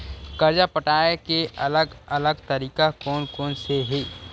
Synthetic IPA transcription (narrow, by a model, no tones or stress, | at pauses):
kɐɾd͡ʒapəʈaːekeɐləɡɐləɡt̪əɾiːkakɔːnkɔːnseɦiː